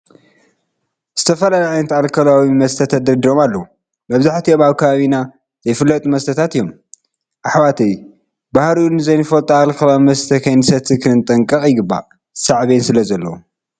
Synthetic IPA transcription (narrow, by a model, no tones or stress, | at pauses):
z̥ɨt̪ʰɐfɐlajaʕajnɐt̪alkʰɐlawimɐst̪ʰɐt̪ʰɐt̪̚d̪ɐɾd̪iɾomalːɐu | mɐβzaħt̪ʰioβaβkʰɐβaβina | zɐjfɨlːɐt̪ʼumɐst̪ʰɐt̪ʰat̪ijːom | ʔaħwat̪ʰej | bahɾinɨzɐjnɨfɐlt̪ʼaalkʰɐlawimɐst̪ʰɐkʰɐjnɨsɐt̪ʰɨkʰɨɨnt̪ʼɐŋkʼɐχʼjɪɡɨbːa̰ | saʕβensɨlɐzɐlːɐwu